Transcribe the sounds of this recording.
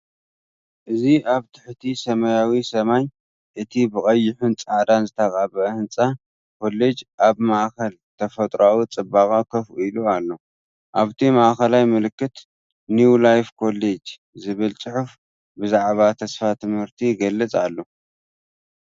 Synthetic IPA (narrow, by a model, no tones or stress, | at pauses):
ʔɨziʔaβt̪ʰɨ̥ħt̪ʰisɐmɐjawisɐmaj | ʔɨt̪ʰibɨkʼɐjːɪħunt͡sʼaʕd̪anzɨt̪ʰakʼaβɐʔhɨnt͡sʼa | kʰo̞le̞d͡ʒʔaβmaʔkɐl | t̪ʰɐfɐt̪ʼɾawut͡sʼɨbakʼakʰɐfilualːo̞ | ʔaβt̪ʰimaʔxɐlajmɨlɨkːɨt̪ | nulajfkʰo̞le̞d͡ʒ | zɨβɨlt͡sʼɨħuf | bɨzaʕβat̪ʰɐsfat̪ʰɨmhɨɾt̪ʰiɡɐlːɐt͡sʼalːo̞